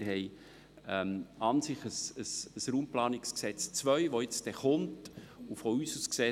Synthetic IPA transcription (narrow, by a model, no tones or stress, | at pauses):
ɦɛɪ | ɛmɑnsɪχəsəsəsɾuːmplɑːnɪksksɛt͡st͡svœʏʋoɪt͡sd̥ɛχʊntufɔyːsusksɛ